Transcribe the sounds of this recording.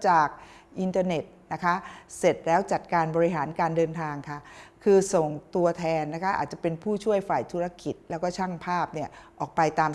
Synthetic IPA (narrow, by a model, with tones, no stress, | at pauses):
t͡ɕaː˨˩k̚ʔi˧nt̪aː˧ne˨˩t̪̚na˦˥kʰa˦˥se˨˩t̪̚lɛː˦˥wt͡ɕa˨˩t̪̚kaː˧nbɔː˧i˦˥ɦaː˩˦nkaː˧ndɤː˧nt̪ʰaː˧ŋkʰa˥˩kʰɯː˧so˨˩ŋt̪u˧ɐt̪ʰɛː˧nːa˦˥kʰa˦˥ʔa̰˨˩t̪̚t͡ɕa˨˩pe˧npʰuː˥˩t͡ɕʰu˥˩əjfaː˨˩jt̪ʰuː˦˥ɾa˧ki˨˩t̪̚lɛː˦˥wkɔː˥˩t͡ɕʰa˥˩ŋpʰaː˥˩p̚ni˥˩ɐʔɔː˨˩k̚pa˧jt̪aː˧m